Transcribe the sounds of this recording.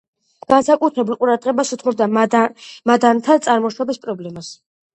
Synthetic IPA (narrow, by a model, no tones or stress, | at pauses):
ɡ̥ansakʼut̪ʰɾɛbulˠqʼuɾad̪ʁɛbasut̪ʰmɔb̚d̪a | mad̪ant̪ʰat̪sʼaɾmɔʃɔbispʼɾɔblɛmas